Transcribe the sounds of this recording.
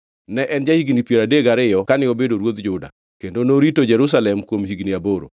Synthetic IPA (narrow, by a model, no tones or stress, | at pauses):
nɛʔɛnd͡ʒahiɡnipjeɾadeɡaɾɪjɔkanɪobedoɾwot̪d͡ʒʊda̰ | kendonoɾitod͡ʒɛɾus̬alɛmkwomhiɡniaboɾo̰